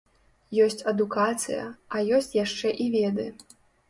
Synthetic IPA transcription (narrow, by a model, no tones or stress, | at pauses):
jɔsʲt͡sʲɐd̪ukat̪sɨ̰jɐ̰ɐjɔsʲt͡sʲjaʂt͡ʂɛʔivʲɛd̪ɨ